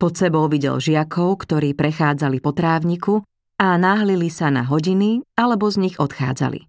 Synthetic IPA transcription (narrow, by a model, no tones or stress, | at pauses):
pɔt̪sɛbɔʊʋiɟɛ̰lʒɪakʰɔʊkt̪ɔɾiːpɾɛxaːd͡zalipɔt̪ɾaːʊɲiku | anaɦlilisana̰ɦɔɟinialɛbɔzɲiɣɔt̪xa̰ːd͡za̰lḭ